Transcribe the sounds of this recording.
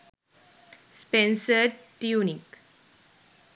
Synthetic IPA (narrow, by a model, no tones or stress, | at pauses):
spẽnsəɾʈjunik